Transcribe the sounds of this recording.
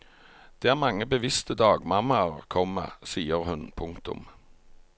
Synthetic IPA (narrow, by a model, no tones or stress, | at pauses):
d̪̥eːæːʁmɑŋːəbəʋɪst̪əd̪ɑːɡmɑmɑʁkʰɔmə̰siːəʁɦʉnpʰʊŋkt̪ʊ̰m